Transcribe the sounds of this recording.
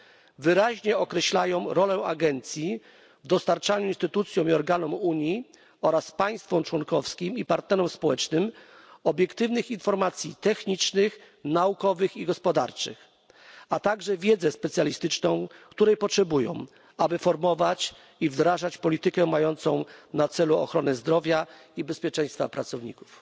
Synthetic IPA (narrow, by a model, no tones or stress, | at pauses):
vɘɾaʑɲɛɔkɾɛɕlajɔ̃w̃ɾɔlɛa̰ɡɛnt̪sʲji | vd̪ɔst̪aɾt͡ʂaɲuinst̪ɘt̪ut̪sʲjɔw̃iɔɾɡanɔmuɲji | ɔɾaspaj̃st̪fɔmt͡ʂwɔnkɔfskʲimipaɾt̪nɛɾɔmspɔwɛt͡ʂnɘm | ɔbʲjɛkt̪ɘvnɘxinfɔɾmat̪sʲjit̪ɛxɲit͡ʂnɘx | naukɔvɘxiɡɔspɔd̪a̰ɾt͡ʂɘ̰x | at̪aɡʐɛvʲjɛd̪zɛspɛt̪sjalʲist̪ɘt͡ʂnɔ̃w̃kt̪uɾɛjpɔtʂɛbujɔ̰̃w̃ | abɘfɔɾmɔvat͡ɕ | ivd̪ɾaʐat͡ɕpɔlʲit̪ɘkɛmajɔnt̪sɔ̃w̃nat̪sɛluɔ̰xɾɔnɛzd̪ɾɔvʲjaibɛspʲjɛt͡ʂɛ̃j̃st̪fa̰pɾat̪sɔvɲḭku̥f